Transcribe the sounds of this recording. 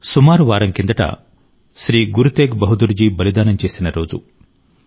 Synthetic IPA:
sumaːɾuʋaːɾɐŋkind̪ɐʈɐ̰ | sɾiːɡuɾut̪eːɡbɐɦud̪uɾd͡ʒibɐlid̪aːnɐnt͡ʃeːsinɐɾoːd͡ʒṵ

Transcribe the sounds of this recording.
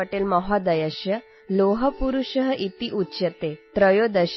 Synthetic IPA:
əʈeːlmɔɦɔd̪əjəɕjə | loɦəpuɾuɕəɦəʔit̪iʔutːɕət̪et̪ɾəjod̪əɕ

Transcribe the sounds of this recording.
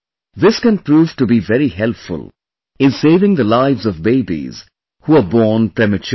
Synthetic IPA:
ðɪskɛ̃npɾuːv̥ʈubivɛɾihɛlpfʊ̰lˠ | ɪ̃nseɪvɪ̃ŋðəlaɪvzɔvbeɪbḭz̥ | huəbɔːnpɹɛmɨt͡ʃ

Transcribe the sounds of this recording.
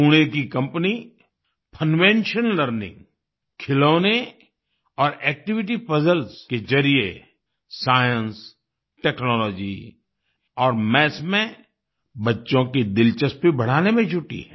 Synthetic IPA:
uːɽ̃ekikɐ̃mpni | pʰənʋẽnʃənləɾnɪ̰̃ŋɡ | kʰɪloːne | ɔːɾɛːk̚ʈɪʋɪʈ̬ipɐzəlskezɐɾie | saːjə̃ns | ʈɛːknɔːlɔːd͡ʒi | ɔːɾmɛːsmẽ | bɐtːʃõkid̪ɪlt͡ʃəspibɐɽ̤aːnemẽt͡ʃʰʊʈḭɦɛ̰̃ː

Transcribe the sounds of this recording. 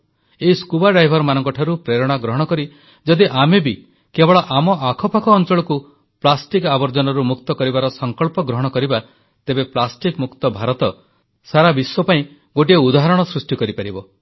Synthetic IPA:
eiskubaɖɾajbʱɔɾmanɔŋkɔʈʰaɾupɾeɾɔɽ̃aɡɾɔɦɔɽ̃ɔkɔɾi | d͡ʒɔd̪iʔamebi | kebɔɭɔʔamɔʔakʰɔpakʰɔːnt͡ʃɔɭɔku | plasʈikabɔɾd͡ʒɔnɔɾumukt̪ɔkɔɾibaɾɔsɔŋkɔɭpɔɡɾɔɦɔɽ̃ɔkɔɾiba | t̪ebeplasʈikmukt̪ɔbʱaɾɔt̪ɔ | saɾabiswɔpaĩ | ɡoʈ̬ieud̪aɦaɾɔɽ̃ɔsɾusʈikɔɾipaɾibɔ

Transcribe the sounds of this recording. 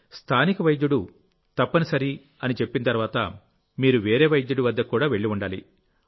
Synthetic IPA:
st̪ʰaːnikɐʋɐjd̪juɽu | t̪ɐpːɐnisɐɾi | ɐnit͡ʃe̞pːinɐt̪̬ɐɾʋaːt̪ɐ̰ | miːɾuʋeːɾeːʋɐjd̪juɽuʋɐd̪ːɐkːuːɽaːʋe̞ɭːiuɳɖaːlḭ

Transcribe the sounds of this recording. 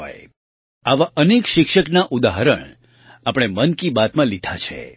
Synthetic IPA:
oj | aʋaʔənekʃɪkʃəknaʔud̪aɦəɾə̰ɳ | apəɽ̃emənkibat̪mãlid̪ʱat͡ʃʰḛ

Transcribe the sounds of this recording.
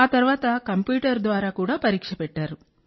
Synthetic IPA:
aːt̪ɐɾuʋaːt̪ɐkɐmpjuːʈɐɾd̪ʋaːɾaːkuːɽaːpɐɾiːkʂɐpɛʈːaːɾu

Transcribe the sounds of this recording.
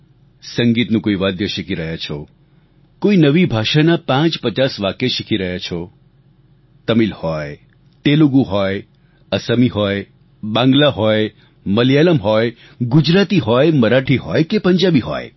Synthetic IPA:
səŋɡit̪nũkoiʋad̪jəʃikʰiɾəɦat͡ʃʰo | koinəʋibʱaʃanapãt͡ʃpət͡ʃasʋakeʃikʰiɾəɦat͡ʃʰo | t̪əmilhɔj | t̪eluɡuɦɔj | əsəmiɦɔj | bãŋɡlaɦɔj | məljaləmɦɔj | ɡud͡ʒɾat̪iɦɔjməɾaʈʰiɦɔjkepəɲd͡ʒabiɦɔ̰j

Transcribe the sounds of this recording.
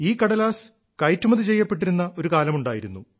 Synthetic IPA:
iːkːɐɽɐlaːs | kɐjtːumɐðit͡ɕe̞jːɐpːe̞ʈ̬ːiɾunːɐo̞ɾukaːlɐmuɳɖaːjiɾunːu

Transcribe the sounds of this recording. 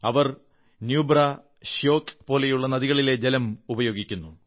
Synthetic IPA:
ɐʋɐr | njuːbrɐ | ɕjo̞ːkpo̞ːlejuɭːɐnɐðiɣɐɭile̞d͡ʑelɐmubɐjo̞ːɡikʲːunːu

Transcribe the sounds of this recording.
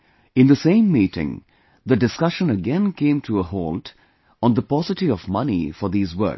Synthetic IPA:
ɨ̃nd̪əsẽɪ̃mːiːtɪ̰̃ŋ | ðɨɖɨskʌʃə̃nəɡɛ̃nkʰẽɪ̃mtʰəəɦoːlt | ə̃nd̪əpɔsɨtiɔvmʌnḭfə˞ðiːzwɜ̰˞k

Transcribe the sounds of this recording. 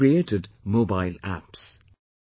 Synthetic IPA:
ieːtɪdmobaɪlæ̰ps

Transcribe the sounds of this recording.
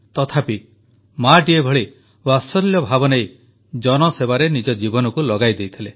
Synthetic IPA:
t̪ɔt̪ʰapi | maʈiebʱɔɭi | wasɔljɔbʱabɔnej | d͡ʒɔnɔsebaɾenid͡ʒɔd͡ʒibɔnɔkulɔɡajd̪ejt̪ʰile

